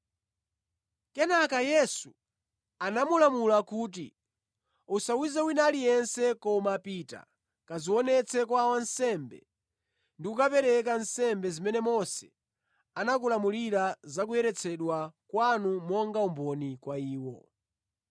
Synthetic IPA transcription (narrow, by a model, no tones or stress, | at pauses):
kɛnakajɛsu | anamulamulakuːt̬ḭ | usawizɛwinalijɛnsɛkɔmaːpita̰ | kaziwɔnɛt͡sʰɛkwawansɛmbɛ̰ | ndiukapɛɾɛk̬ansɛmbɛzimɛnɛmɔsɛ̥ | anak̬ulamuliɾazak̬ujɛɾɛt͡sʰɛɗwakwanumɔŋɡaumbɔnikwaiːwɔ̰